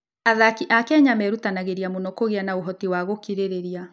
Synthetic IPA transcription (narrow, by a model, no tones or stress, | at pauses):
aðakiʔakɛɲamɛɾutanaɣeɾiamonɔkoɣeanaoɦɔtiwaɣokiɾeɾeɾia